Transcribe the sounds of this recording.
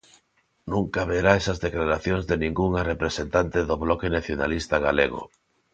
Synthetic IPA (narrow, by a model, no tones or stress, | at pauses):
nũŋkaβeɾaesazðeklaɾaθjoŋzðenĩŋɡuŋarepɾesent̪ant̪eðoβlɔkenaθjona̰list̪aɣ̞aleɣo̰